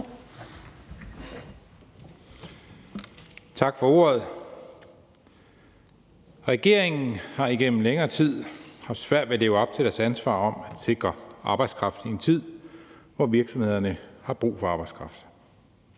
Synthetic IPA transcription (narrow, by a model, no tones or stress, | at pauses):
t͡sʰɑ̈ɡ̥fɒ̽o̝̰ːɐð̞̩ˠ | ʁɛɡ̥e̝ɐeŋn̩hɑ̈iɡ̥en̰m̩leŋɐːt͡sʰið̰ˠhɑ̈sʋæɐ̰d̥ʋele̝ːʊɒ̽b̥̚t͡sʰe̝ɾ̥æɐsænsʋɑ̰̈ːɒ̽mæd̥se̝ɡ̥ʁɐʔɑ̈ːb̥ɑ̈ɪd̥skʰʁɑ̈fd̥n̩ient͡sʰið̰ˠʋɒʋiɐɡ̥sɒ̽mhe̝ð̞̰ˠɐnəhɑ̈b̥ʁṵːfɒ̽ɑ̈ːb̥ɑ̈ɪdskʰʁɑ̈fd̥